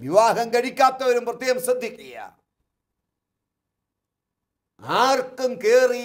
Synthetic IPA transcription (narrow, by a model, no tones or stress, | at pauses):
ʋiʋaːɦɐŋɡɐɽikʲːaːp̚t̪ːɐʋɐɾumpɾɐt̪ːijɐmsɐd̪ʱːikʼija̰ | aːɾkːɨmkeːri